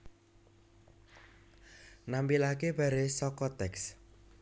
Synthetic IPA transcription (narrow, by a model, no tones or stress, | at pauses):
nampilakeb̥a̤ɾesɔkɔt̪ɛks